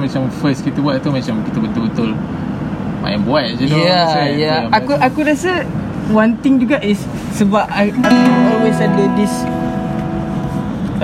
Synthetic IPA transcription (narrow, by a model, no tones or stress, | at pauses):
mat͡ʃamfəs̚kit̪əbuaʔ̪̚t̪umat͡ʃamkit̪əbət̪ʊlbət̪ʊl | ma̰jambuat̪̚d͡ʒuaajaaakuʔakuɾasə | want̪iŋd͡ʒuɡaʔɪsː | əbapaaɔlwesadədis